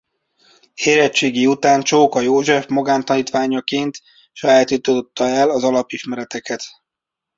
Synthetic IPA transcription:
heːɾɛt͡ʃːeːɡiut̪aːnt͡ʃoːkɒjoːʒɛfmoɡaːnt̪ɒniːt̪ʋaːɲɒkeːnt̪ | ʃjɛaːt̪yt̪ød̪ot̪ːɒɛlɒzɒlɒpiʃmɛɾɛt̪ɛkɛt̪

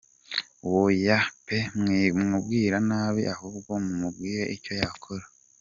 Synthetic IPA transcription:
wojapemŋiumubɡiːɾanaːβiʔahubɡomumubɡiːɾeʔico̞jakʰoɾa

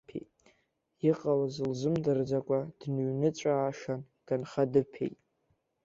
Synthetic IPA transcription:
pʰḛjtʼ | iqʼalazɨlzɨmdɨrd͡zakʷʼad̥nuɥnɨt͡ɕʷʼaːʂan | ɡ̥anχadɨpʰḛjtʼ

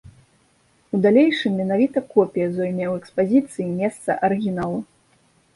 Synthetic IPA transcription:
ud̪alʲejʂɨmːʲɛnavʲit̪ɐkɔpʲijɐzɔjmʲɛwɛkspazʲit̪sɨjimʲɛst̪sɐ̰ʔɐɾɨɣʲinalˠu

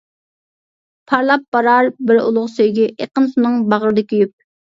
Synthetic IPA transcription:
pʰɑɾlˠɑp̚bɑɾɑɾbɪɾṵlˠʊχsøjɡʲɛʔeqənsunɨŋbɑʁəɾɨd̪ɪkʲyjyp̚

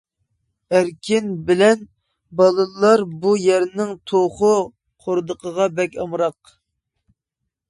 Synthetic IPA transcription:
æɾkʲʰɪnbɪlɛn | bɑlˠɨɑɾbujɛɾnɪŋt̪ʰoχʊ | qʰoɾd̪əqʰəʁɑbɛkʲɑmɾɑq

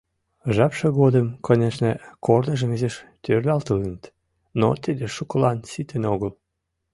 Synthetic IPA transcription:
ʒɑpʃəɣod̪əmkonʲeʃnəkornəʒəmizeʃt̪ørlʲɑlt̪ələnət̪ | no̰t̪əd̪eʃukəlɑnsit̪ənoɣəl

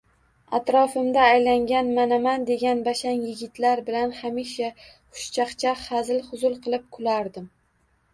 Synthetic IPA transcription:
at̪ɾɒfɪmd̪aːjlaŋɡʲanmanamand̪e̞ɡʲanbaʃanjɪɡʲɪt̪ʰlaɾbɪlanhamiʃa | qʰʊ̥ʃt͡ʃʰaqt͡ʃʰahazɪlχʊzʊlˠqʰɨlˠɪp̚kʰʊlaɾd̪ɪm

